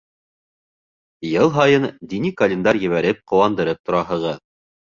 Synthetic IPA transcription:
jɤlˠɦɑjɤnd̪inikɐlʲɪnd̪ɑɾjɘ̆βæɾɘp̚qŏwɑnd̪ɤ̆ɾɤp̚t̪ʰŏɾɑɦɤ̆ʁɤð

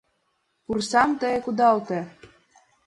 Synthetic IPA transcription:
pursɑmt̪ɤjekud̪ɑlˠt̪ĕ

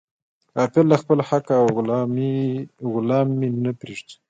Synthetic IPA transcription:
ɑpelːaxpəlhaka | ɣʊlɑmːinapɾeʐd̪i̥

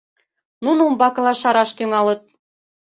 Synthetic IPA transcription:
nunoumbɑkɤ̆lɑʃɑɾɑʃt̪yŋɑlə̆t̪̚

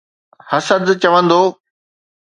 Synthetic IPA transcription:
hɐsəd̪t͡ɕɐʋə̃nd̪oː

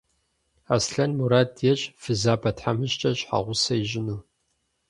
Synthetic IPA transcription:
asɬɐnmuɾaːdjɛɕʼfɨzaːbɐtħamɨɕt͡ʃʼɐɕʼħa̰ʁʷʊsɐjiʑɪnuː

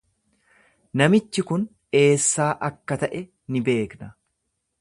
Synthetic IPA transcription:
nɐmɪt͡ʃːɪkʊn | e̞ːsːaːʔɐkːɐt̪ɐʔɛ | nɪbe̞ːknɐ

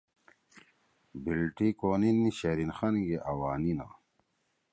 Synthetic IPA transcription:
bilʈikoːninːiɕeɾinxanɡeʔɐwaːnina̰

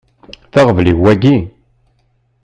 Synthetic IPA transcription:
θaʁəvliwːæɡi

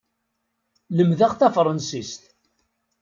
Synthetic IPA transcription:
ləmðaʁθæfɾˤɑnsist̪

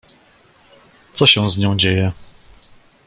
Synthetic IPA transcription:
t̪sɔɕɛw̃zɲɔ̃w̃d͡ʑejɛ

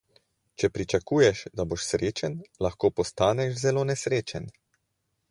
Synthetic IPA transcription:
t͡ʃɛpɾit͡ʃakuːjɛʃd̪aboʃsɾeːt͡ʃɛnlaxkoːpɔst̪aːnɛʃzɛloːnɛsɾeːt͡ʃɛn

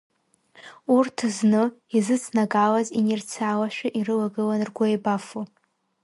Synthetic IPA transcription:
urtʰznɨizɨt͡sʰnaɡalazinirt͡sʰalaʃᶣaʔirɨlaɡɨlanrɡʷaebafu

